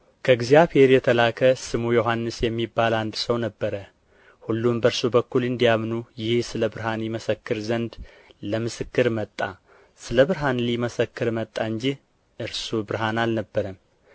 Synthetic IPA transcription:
kʰəɨɡzijaβhe̞ɾjɛt̪ʰəlakʰəsɨmujoɦanːɨsjɛmːibːaland̪səwnəbːəɾə | hulːumbəɾsubəkːulɨnd̪ijamnujɪhsɨləbɨɾɦanliməsəkːɨɾzənd̪ | ləmɨsɨkːɨɾmət̪ʼːa | sɨləβɨɾɦanliməsəkːɨɾmət̪ʼːaɨnd͡ʒi | ʔɨɾsubɨɾɦanalnəbːəɾəm

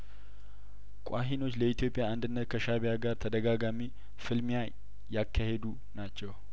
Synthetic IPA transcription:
kʷʼaɦino̞t͡ʃːləit̪ijo̞pʼɪjaːnd̪ɨnːət̪̚kʰəʃaβɪjaɡaɾt̪ʰəd̪əɡaɡami | fɨlmɪja | jakːahed̪u | nat͡ʃːɛw

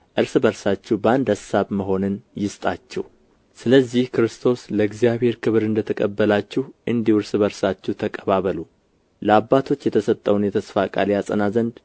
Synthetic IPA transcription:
ʔɨɾsɨbəɾsat͡ʃːɛbəand̪asaβməɦo̞nɨnjɪst̪ʼat͡ʃːɛh | sɨləzːihkɾɨst̪ʰo̞sləɡzijaβhe̞ɾkʰɨβɨɾɨnd̪ət̪ʰəkʼəbːəlat͡ʃːɛhʔɨnd̪ihɨɾsɨbəɾsat͡ʃːɛht̪ʰəkʼəβaβəlu | ləabːat̪ʰo̞t͡ʃːjɛt̪ʰəsət̪ʼːəwnjɛt̪ʰəsfakʼa̰lijasʼənazənd̪

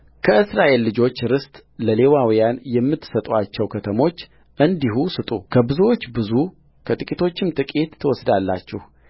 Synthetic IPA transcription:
kʰəɨsɾaʔe̞lːɨd͡ʒo̞t͡ʃːɾɨst̪ʼləle̞wawijanjɛmːɨt̪ːsət̪ʼuat͡ʃːɛwkʰət̪ʰəmo̞t͡ʃː | ʔɨnd̪iɦusɨt̪ʼukʰəbɨzuwo̞t͡ʃːbɨzu | kʰət̪ʼɨkʼit̪ʰo̞t͡ʃːɪmt̪ʰɨkʼet̪ʰːəwɔsd̪alːa̰t͡ʃːɛh

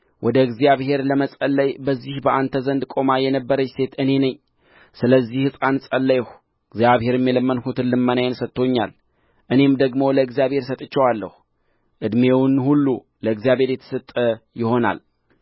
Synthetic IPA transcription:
wʔɔd̪əɡzjaβhe̞ɾləməsʼəlːəjbəzːihbəʔant̪ʰəzənd̪kʼo̞majɛnəbːəɾət͡ʃse̞t̪ʰɨne̞nəɲː | sɨləzːihɨsʼansʼəlːəjɛh | ɨɡzjaβhe̞ɾmːjeləmːənhut̪ʰɨnlːɨmːənajnsət̪ʰːo̞ɲːa̰l | ʔɨne̞md̪əɡmo̞ləɨɡzijaβhe̞ɾsət̪ʼɨt͡ʃːɛwalːə̰hu | ʔɨd̪mewnhulːu | ləɨɡzijaβhe̞ɾjɛt̪ʰə̥sət̪ʼːəjɪho̞na̰l

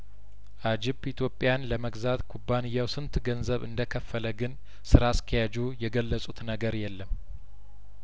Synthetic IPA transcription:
ʔad͡ʒɪbit̪ʰjo̞pʼːjanləməɡzat̪kʰubːanɨjːawsɨnt̪ɡənzəβɨ̰nd̪əkʰəfːələɡɨn | sɨɾaskʰəjad͡ʒujɛɡəlːəsʼut̪nəɡəɾjɛlːəm

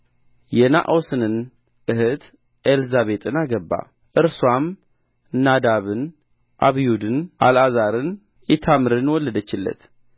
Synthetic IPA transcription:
jɛna̰ʔosɨnɨn | ʔɨhɨt̪ | ʔelzaβe̞t̪ʼɨnaɡəbːa̰ | ʔɨɾswam | nad̪aβɨn | ʔa̰βijud̪ɨnʔa̰lazaɾɨn | it̪ʰamɨɾɨnwɔlːəd̪ət͡ʃːɪlːə̰t̪

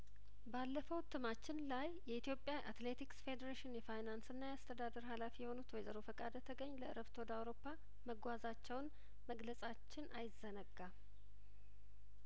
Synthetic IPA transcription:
balːəfəwt̪ʰɨmat͡ʃːɪnlajːɛit̪ʰijo̞pʼjaʔat̪le̞t̪iksfe̞d̪əɾeʃɪnjɛfajnansɨnːajɛast̪ʰəd̪ad̪əɾɦalafijɛho̞nut̪wɔjzəɾo̞fəkʼad̪ət̪ʰəɡəɲːləʔɨɾəft̪ʰo̞d̪awɾo̞pʰːa | məɡʷazat͡ʃːɛwn | məɡləsʼat͡ʃːɪnajɪzːənəɡːa

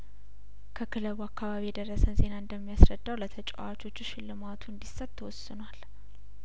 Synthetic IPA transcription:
kʰəkʰɨləβuakːaβaβijɛd̪ərːəsənze̞naɨnd̪əmːijasɾəd̪ːawlət̪ʰət͡ʃʼə̰wat͡ʃo̞t͡ʃːuʃɪlːɨmat̪ʰuɨnd̪isət̪ːʰəwɔsːɨnwal

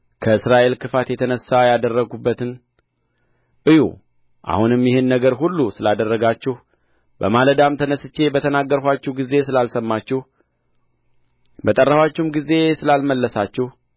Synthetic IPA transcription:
kʰəɨsɾaʔe̞lkʰɨfat̪jɛt̪ʰənəsːajad̪ərːəɡubːət̪ɨn | ʔɨjṵ | ʔa̰hunɨmjɪhɨnːəɡəɾɦulːusɨlad̪ərːəɡat͡ʃːɛh | bəmaləd̪amt̪ʰənəsɨt͡ʃːe̞bət̪ʰənaɡːəɾhʷat͡ʃːɛhɡize̞sɨlalsəmːat͡ʃːɛh | bət̪ʼərːəfwat͡ʃːɛhmɡize̞sɨlalməlːəsat͡ʃːɛh

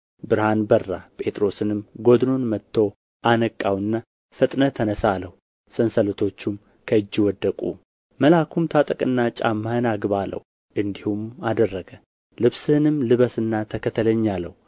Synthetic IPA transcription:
bɨɾhanbərːapʼe̞t̪ʼɾo̞sɨnɨmɡo̞d̪no̞nmət̪ʰːo̞ | ʔanəkʼːawɨnːa | fɨt̪ʼnət̪ʰənəsaləhu | sɨnsələt̪ʰo̞t͡ʃːum | kʰəɨd͡ʒːwɔd̪ːəkʼṵ | məlakʰumt̪ʰat̪ʼəkʼɨnːat͡ʃʼamːanaɡɨβalə̰w | ʔɨnd̪ihumad̪ərːəɡə | lɨβsɨnɨmlɨβəsɨnːat̪ʰəkʰət̪ʰələɲːalːə̰w

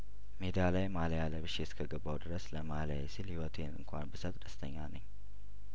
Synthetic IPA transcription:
med̪ialajmalajalːəβɨʃːeskʰəɡəbːawd̪ɨɾəsləmala̰jɛsilhiwɔt̪ʰenɨ̰ŋkʷʰanbɨsət̪ʼd̪əst̪ʰəɲːanəɲː

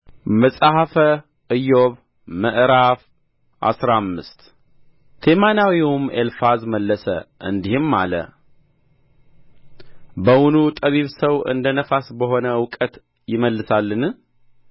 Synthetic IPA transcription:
məsʼahafə | ɨjoβ | məʔɾaf | ʔa̰sɾamːɨst̪ | t̪ʰemanawiwumelfazməlːəsə̰ʔɨnd̪ihɨmːa̰lə̰ | bəwunut̪ʼəβiβsəwɨ̰nd̪ənəfasbəɦo̞nəwkʼət̪ | jɪməlːɨsalːɨn

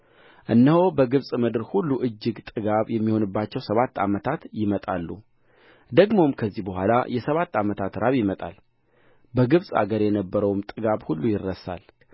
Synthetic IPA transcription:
ʔɨnːəhobəɡɨβsʼmɨd̪ɨɾhulːuʔɨd͡ʒːɨɡt̪ʼɨɡaβjɛmːiho̞nɨbːat͡ʃːɛwsəβat̪ːa̰mət̪ʰat̪jɪmət̪ʼalːṵ | d̪əɡmo̞mkʰəzːihbəɦʷala̰jɛsəβat̪ːamət̪ʰat̪ɾaβjɪmət̪ʼa̰l | bəɡɨβsʼa̰ɡəɾjɛnəbːəɾəwmt̪ʼɨɡaβhulːujɪrːəsa̰l

